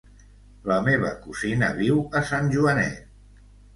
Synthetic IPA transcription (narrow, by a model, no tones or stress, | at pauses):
ləmeβ̞əkuzinəβiwəsanʲʒuənɛ̰t̪